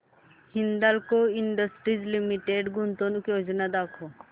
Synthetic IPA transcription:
hɪnd̪alkoɪɳɖəsʈɾizlimiʈeɖɡʊnt̪onukjod͡ʒnad̪aːkʰo

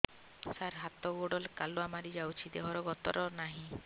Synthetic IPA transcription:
saɾɦat̪ɔɡoɖɔlkaluamaɾid͡ʒawt͡ʃʰid̪eɦɔɾɔɡɔt̪ɔɾɔnaɦĩ

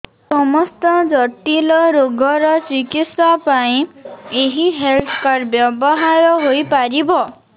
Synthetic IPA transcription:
sɔmɔst̪ɔd͡ʒɔʈilɔɾoɡʱɔɾɔt͡ʃikit̪sapaĩeɦiɦelt̪ʰɔ̥kaɾbjɔbɔɦaɾɔɦojpaɾibɔ

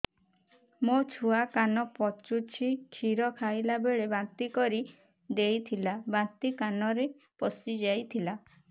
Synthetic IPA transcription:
mot͡ʃʰuakanɔpɔt͡ʃut͡ʃʰikʰiɾɔkʰajlabeɭebant̪ikɔɾi | d̪ejt̪ʰilabãnt̪ikanɔɾe | pɔsid͡ʒajt̪ʰila

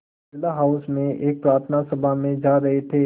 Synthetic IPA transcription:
ɪlaɦaʊsmẽʔeːk̚pɾaːɾt̪ʰnasɐbʱamẽd͡ʒaːɾɐɦet̪ʰeː

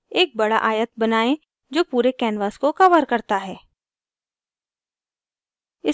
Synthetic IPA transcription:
eːk̚bɐɽa̰ʔaːjət̪̚bɐnaːẽ | d͡ʒoːpuːɾekɛːnʋaːskokɐʋəɾkɐɾt̪aɦɛː | ɪ

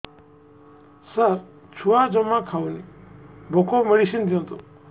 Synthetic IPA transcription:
səɾ | t͡ʃʰuad͡ʒɔmãkʰaunibʱokomeɽisind̪ʱiõt̪ṵ

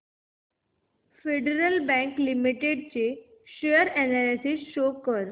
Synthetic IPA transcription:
feɖeɾəlbæ̃ŋklimiʈeɖt͡ɕe | ɕejəɾɛnalisisɕokəɾ

